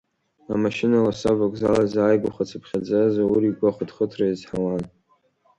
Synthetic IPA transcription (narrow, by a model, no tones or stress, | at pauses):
amaʃɪnalasabakʷʼzalazaːjɡʷaχat͡sʰapʰχʲad͡zazauɾiɡʷaχʷadχətʰraizħalan